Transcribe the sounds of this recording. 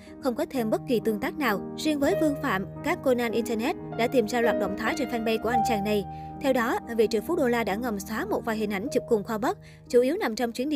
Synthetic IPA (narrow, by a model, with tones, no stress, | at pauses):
xə˧wŋ͡mkɔ˨˦t̪ʰe˧mɓə˦˥t̚ki˨˩t̪ɨ˧əŋt̪aː˦˥k̚naː˨˩wzwi˧əŋvəː˨˦jvɨ˧əŋfa̰ː˧˩˨mkaː˦˥kːo˧naː˧nʔi˧nt̪ə˧nɛ˦˥t̚ɗa̰ː˧˥t̪i˨˩mzaː˧lwaː˨˩t̚ɗə̰˧˨wŋ͡mt̪ʰaː˨˦jt͡ɕe˧˩nfɛ˧nɓə˧jku˧˩əʔa˧jŋ̟t͡ɕa̰ː˨˩ŋna˨˩j | t̪ʰɛ˧wɗɔ˨˦vḭ˧˨t͡ɕɨ̰˨˧˩fu˨˦˥ɗo˧laː˧ɗa̰ː˧˥˩ŋə˨˩wŋ͡msaː˨˦mo˨˩t̚vaː˨˩jɦï˨˩ŋ̟ʔa˨˧˩jŋ̟t͡ɕɨ˨˩p̚kʊ˨˩ŋ͡mxwaː˧ɓə˦˥t̚ | t͡ɕu˧˩ʔi˨˦əwna˨˩mt͡ɕɔ˧wŋ͡mt͡ɕwi˨˦nɗḭ˧˨